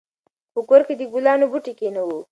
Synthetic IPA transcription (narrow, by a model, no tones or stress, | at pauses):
pəkoɾked̪əɡulɑnobuʈikenawu